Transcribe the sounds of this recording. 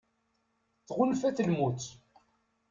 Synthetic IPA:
θʁʊnfæθəlmut͡s̪

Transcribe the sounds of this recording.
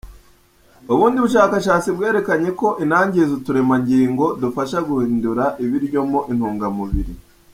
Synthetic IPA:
uβuːndiβuʃaːkaʃaːt͡sibɡe̞ːɾe̞kaɲe̞ko̞ʔinaːɲɟezutuɾe̞maɲɟiːŋɡo̞dufaʃaɡuhiːnduɾaʔiβiɾɟo̞moʔin̥huːŋɡamuβiɾḭ

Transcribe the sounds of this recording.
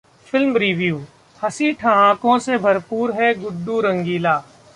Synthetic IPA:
fɪlmɾiːʋjuː | hɐsiʈʰɐɦãːkõsebʱɐɾpuːɾɦɛɡʊd̪ːuɾɐ̃ŋɡiːlaː

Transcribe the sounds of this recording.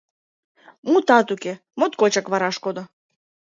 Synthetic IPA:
mut̪ɑt̪uke | mot̪kot͡ɕɑkβɑɾɑʃkod̪o

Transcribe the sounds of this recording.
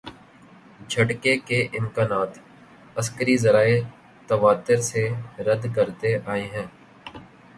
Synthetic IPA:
d͡ʒʱəʈkekeʔɪmkaːnaːt̪ | əskəɾizəɾaːe | t̪əʋaːt̪ɪɾseɾəd̪kəɾt̪eʔaːeɦɛ̃ː

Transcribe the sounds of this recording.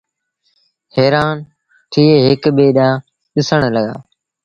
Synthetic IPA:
heːɾaːn | ʈ̪ʰiːeːɦɪkɓeːɗãː | ɗɪsəɳləɠa̰ː

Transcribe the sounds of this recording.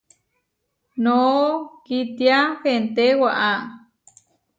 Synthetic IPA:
nokit̪jaxent̪ewaʔa

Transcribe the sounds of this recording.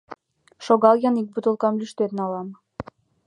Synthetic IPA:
ʃoɣɑlˠjɑnik̚but̪ulˠkɑmlyʃt̪et̪ənɑlɑm

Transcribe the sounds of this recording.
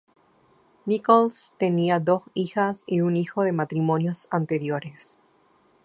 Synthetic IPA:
nikolst̪e̞niaðo̞sixasiunixo̞ðe̞mat̪ɾimõ̞njo̞sant̪eɾjoɾes

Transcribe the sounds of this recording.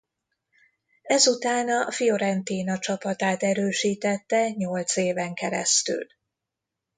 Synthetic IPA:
ɛzut̪aːnɒfijo̞ɾɛnt̪iːnɒt͡ʃɒpɒt̪aːt̪ɛɾøːʃiːt̪ɛt̪ːɛɲo̞lt̪seːvɛŋkɛɾɛ̰st̪y̰l

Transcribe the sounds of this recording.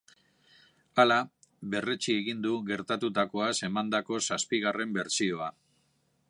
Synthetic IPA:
ala | βe̞ret͡ʃie̞ɣind̪uɣe̞ɾt̪at̪ut̪ako̞ase̞mand̪ako̞saspiɣ̞are̞mbe̞ɾsio̞a

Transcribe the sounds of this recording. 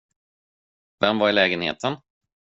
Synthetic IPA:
vɛmːvaɾɪlɛːɡənhḛːt̪ʰən

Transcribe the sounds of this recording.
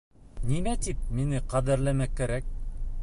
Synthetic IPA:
nimæt̪ip̚minɘqɑðɘɾlæmækːæɾæk̚

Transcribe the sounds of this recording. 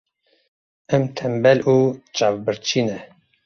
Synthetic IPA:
ɛmt̪ʰɛmbɛlʔuːt͡ʃaːvbɨɾt͡ʃʰiːnɛ

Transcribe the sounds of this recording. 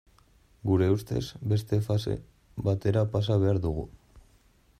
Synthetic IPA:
ɡuɾe̞ust̪e̞̰zbe̞st̪e̞fasḛ | bat̪e̞ɾapas̬aβ̞e̞aɾðuɣṵ

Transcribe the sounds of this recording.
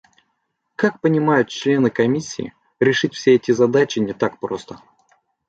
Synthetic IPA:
kak̚pənʲɪmajʊt̪̚t͡ɕlʲe̞nɨkɐmʲisʲːḭɪ̰ | ɾʲɪʂɨtʲfsʲeɛtʲɪzɐd̪at͡ɕɪnʲɪt̪ak̚pɾo̞st̪ə

